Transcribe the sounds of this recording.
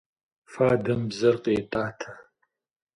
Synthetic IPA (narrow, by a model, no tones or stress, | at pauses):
faːdɐmbzɐrqeːtʼaːtʰɐ